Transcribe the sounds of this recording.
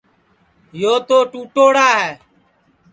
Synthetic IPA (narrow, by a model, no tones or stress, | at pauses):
joːt̪oːʈuːʈoːɽaːɦɛː